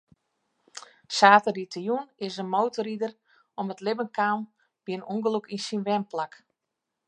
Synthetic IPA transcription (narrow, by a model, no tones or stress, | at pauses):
saːtəditʰəjunɪsənmowtoɾidər | ɔmətlɪbənkaːn | b̥iənuŋɡəlukinsinʋɛmplak